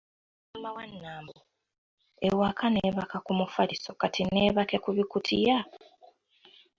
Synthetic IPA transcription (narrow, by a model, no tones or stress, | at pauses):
amawanːaːmbo | ewakʰaneːβakakumufaliso̞katine̞ːβakekuβikutʰija